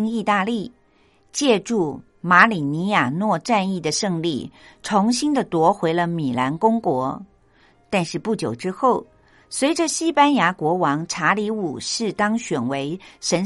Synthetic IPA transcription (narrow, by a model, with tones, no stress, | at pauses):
ŋi˥˧t̪a˥˧li˥˩ | t͡ɕjɛ˥˧ʈ͡ʂu˥˩ | ma˧˥li˨˩ni˧˥ja˨˩nwɔ˥˧ʈ͡ʂa˥˧ni˥˩d̪ə˩ʂɤ˥˧ŋli˥˩ʈ͡ʂʰʊ˧˥ŋɕi˥nd̪ə˨t̪wɔ˧˥xwe˧˥ɪlə˧mi˨˩la˧˥nkʊ˥ŋkwɔ˧˥ | t̪a˥˧nʂɻ̩˥˧pu˥˩t͡ɕjo˨˩ʊʈ͡ʂɻ̩˥xo˥˩ʊ | swe˧˥ɪʈ͡ʂə˨ɕi˥pa˥nja˧˥kwɔ˧˥wɑ˧˥ŋʈ͡ʂʰa˧˥li˧˥u˨˩ʂɻ̩˥˩t̪ɑ˥ŋɕɥɛ˨˩nwe˧˥ɪʂə˧˥n